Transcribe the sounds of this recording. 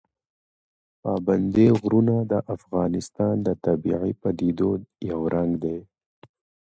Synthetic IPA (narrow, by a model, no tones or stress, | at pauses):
pɑːband̪eɣɾunad̪əʔafɣɑːnɪst̪ɑːnd̪ət̪abḭʕipad̪id̪ojawɾʔaŋɡd̪e